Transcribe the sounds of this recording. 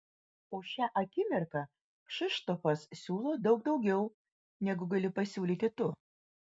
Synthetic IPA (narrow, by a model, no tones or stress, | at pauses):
oːʃʲæʔɐkʲɪmʲɛɾk̪ɐ | ʃɪʃt̪ofɐssʲuːlˠoːd̪ɒʊɡ̚d̪ɒʊɡʲɛʊ | nʲɛɡʊɡɐlʲɪpɐsʲuːlʲiːt̪ʲɪt̪ʊ